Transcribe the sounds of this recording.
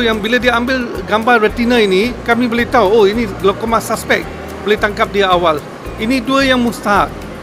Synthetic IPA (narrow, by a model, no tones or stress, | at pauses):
jaŋbiladiəambɪlɡambarrət̪inəinikamĩbolet̪auoiniɡlokomasaspɛk̚ | bolet̪aŋkap̚diaawal | iniduəjaŋmust̪aɦat̪̚